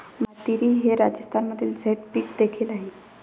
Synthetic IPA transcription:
mət̪iɾiːɦeɾad͡ʑəst̪ʰanməd̪ʱːiːld͡zʱet̪pikd̪ekʰiːlaɦe

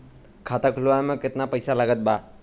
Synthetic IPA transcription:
kʰat̪akʰluamẽkɪt̪napəjsaləɡət̪̚ba

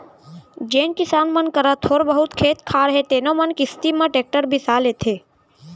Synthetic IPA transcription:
d͡ʒenkɪsanmənkəɾat̪ʰoɾbəɦut̪kʰeːt̪kʰaɾɦet̪enomənkɪst̪imãʈek̚ʈəɾbʱisalet̪ʰe

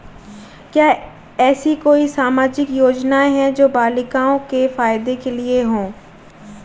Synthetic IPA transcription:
kjaː | ɛːsikoːisaːmaːd͡ʒɪkjoːd͡ʒnaɦɛ̃d͡ʒoːbaːlɪkaːõkefaːjɪd̪ekelieɦõː

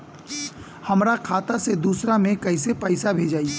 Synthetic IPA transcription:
hɐmɾakʰaːt̪ased̪uːsɾamẽkɐɪsepəɪsabʱeːd͡ʒaːi

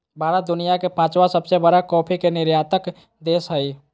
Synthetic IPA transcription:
baːɾad̪unijakepãt͡ʃwasəbsebəɾakɔpʰikenɪɾjat̪ək | d̪esɦəj

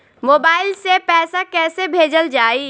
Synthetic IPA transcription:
moːbaːɪlsepɛːsakɛːsebʱeːd͡ʒəld͡ʒaːiː

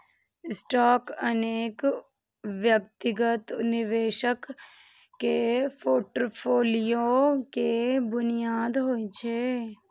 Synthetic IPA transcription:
ɪsʈaːkɐneːk | ʋjəkt̪ɪɡət̪nɪʋeːʃəkː | epʰoːʈəɾpʰoːlijokebʊnijaːd̪ɦoːit͡ʃʰeː

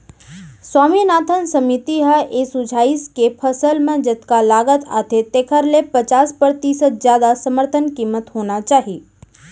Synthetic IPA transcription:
swaːminaːt̪ʰənsəmit̪iɦəʔesʊd͡ʒʱaːiskepʰəsəlmẽd͡ʒət̪kalaːɡət̪ʰa̰t̪ʰet̪eːkʰəɾlepət͡ʃaːspəɾt̪isət̪zjaːd̪asəməɾt̪ʰənkiːmət̪ɦoːnat͡ʃaːɦiː

